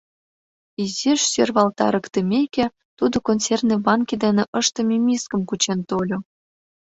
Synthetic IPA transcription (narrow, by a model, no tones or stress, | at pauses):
izʲeʃsørβɑlt̪ɑ̰ɾəkt̪ə̆mʲekʲe | t̪ud̪okonsernebɑnkʲid̪enĕʔəʃt̪ə̆mʲimʲiskə̆mkut͡ɕent̪olʲo